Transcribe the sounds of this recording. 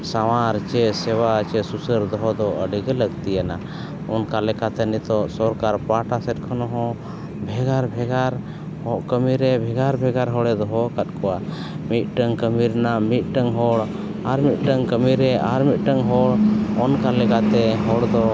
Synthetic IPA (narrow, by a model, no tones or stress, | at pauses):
sawaɾt͡ʃɛsɛwat͡ʃɛsusəɾd̪ɔɦɔd̪ɔʔəɖiɡələɡt̪ijana | ɔnkalɛkat̪ɛnit̪ɔʔsɔɾkaɾpaʈasɛt̪̚kʰɔnɔɦɔ̃ | bʱɛɡaɾbʱɛɡaɾ | hɔʔkəmiɾɛbʱɛɡaɾbʱɛɡaɾɦɔɽɛd̪ɔɦɔkat̪̚kɔwa | mit̪̚ˀʈəŋkəmiɾnamit̪̚ˀʈəŋɦɔɽ | aɾmit̪̚ˀʈəŋkəmiɾɛʔaɾmit̪̚ˀʈəŋɦɔɽɔnkalɛkat̪ɛɦɔɽd̪ɔ